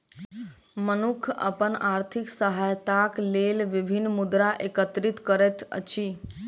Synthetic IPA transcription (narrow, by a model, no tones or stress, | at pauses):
mənukʰə̰pənaɾt̪ʰiksəɦajt̪aklelʋibʱinːmud̪ɾaʔekət̪ɾit̪kəɾɛt̪ə̰t͡ʃʰi